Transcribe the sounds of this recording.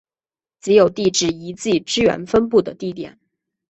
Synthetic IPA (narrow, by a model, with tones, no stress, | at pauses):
t͡s̩˧˥jo˨˩ʊt̪i˥˧ʈ͡ʂɻ̩˥˩i˧˥t͡si˥˩ʈ͡ʂɻ̩˥ɥɛ̰˧˥nfə˥np̬u˥˩d̪ə̰˩t̪i˥˩t̪jɛ̰˨˩˦n